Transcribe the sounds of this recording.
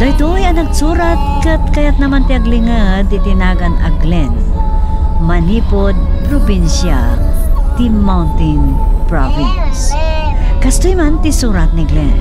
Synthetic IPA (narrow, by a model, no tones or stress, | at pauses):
d̪ɐjt̪ojɐnɐɡsuːɾat̪̚kɐt̪kɐjat̪̚nɐmant̪ɪaɡlɪŋad̪ɪt̪ɪnaːɡɐnɐ̰ɡlɛn | mɐniːpod̪̚pɾobinsja | t̪imawnt̪ɪnpɹovɪns | kɐst̪ojmant̪ɪsuːɾɐt̪̚nɪɡlɛn